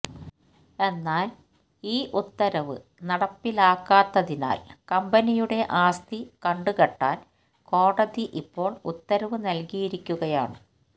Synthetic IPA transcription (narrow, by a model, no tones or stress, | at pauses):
e̞nːaːl | iːʔut̪ːɐɾɐʋɨ̰ | nɐɽɐpːilaːkːaːt̪ːɐðina̰ːlkɐmbɐnijuɽe̞ʔaːst̪ikɐɳɖuɣɐʈːa̰ːn | ko̞ːɽɐðiʔipːo̞ːɭut̪ːɐɾɐʋɨnɐlkijiɾikʲːuɣɐja̰ːɳɨ